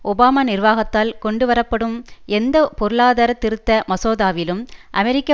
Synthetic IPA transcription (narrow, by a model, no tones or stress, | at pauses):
ʔɔbaːmaːnɪrʋaːɣɐt̪ːaːlkɔɳɖɯʋɐɾɐpːɐɽɯmʔɛnd̪ɐpɔɾɯɭaːðaːɾɐt̪ːɪɾɯt̪ːɐmɐsoːðaːʋɪlɯmʔɐmɛɾɪkːɐ